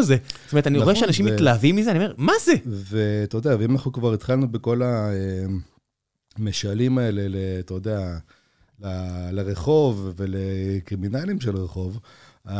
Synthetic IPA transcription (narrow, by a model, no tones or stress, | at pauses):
zestoet̪anioeʃeanaʃimmilaːvimːizeaniome̞maze̞vet̪od̪eaveimanaχnukvaʁit̪χalnubeko̞lae | meʃalimae̞le̞let̪ojd̪ea | laleʁeχo̞vːe̞lekʁiminalimʃelʁeχo̞va